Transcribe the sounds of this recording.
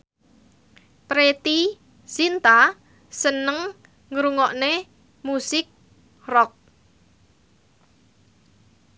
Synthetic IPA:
pɾet̪i | sint̪a | sənəŋ | ŋɾuŋɔʔne | musɪk̚ | rɔk̚

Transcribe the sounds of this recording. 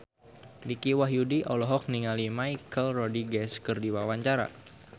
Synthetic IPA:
nikiwaɦjudiʔɔlɔɦɔk̚niŋalimajkəlrɔdiɡɛskərdiwawaɲt͡ʃaɾa̰

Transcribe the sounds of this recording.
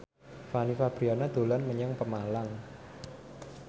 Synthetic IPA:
fanifab̥ɾianad̪̥o̤lanməɲaŋpəmalaŋ

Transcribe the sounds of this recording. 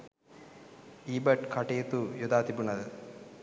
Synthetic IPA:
iːbɐʈkʰɐʈejːt̪ujod̪aːt̪ibunɐd̪ə

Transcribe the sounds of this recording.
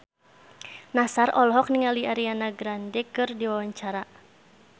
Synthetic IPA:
nasarɔlɦɔk̚niŋaliaɾianaɡɾandɛkɨrdiwawaɲt͡ʃaɾa

